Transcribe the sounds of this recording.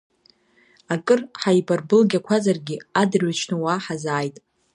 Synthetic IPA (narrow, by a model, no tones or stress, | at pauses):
akʼɨrħajbarbɨlɡʲakʷʰazarɡʲɪadrɥat͡ʃʰnɨwaːħazaːjtʼ